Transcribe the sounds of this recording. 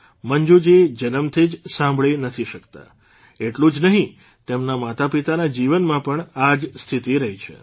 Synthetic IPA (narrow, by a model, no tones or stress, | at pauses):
məɲd͡ʒud͡ʒid͡ʒənəmt̪ʰid͡ʒsãmbʱɭinət̪ʰiʃəkt̪a̰ | eʈlũd͡ʒnəɦĩ | t̪emnamat̪apit̪anad͡ʒiʋənmãpəɳad͡ʒst̪ʰit̪iɾəɦit͡ʃʰḛ